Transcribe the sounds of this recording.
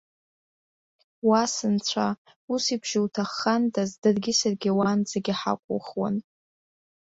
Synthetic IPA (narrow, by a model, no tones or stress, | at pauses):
wasɨnt͡ɕʷʰa | usibʒ̥ɪwtʰaχːandʰʼazdɨrɡʲɪsarɡʲiwand͡zaɡʲiħa̰kʷʼʊ̰χwa̰n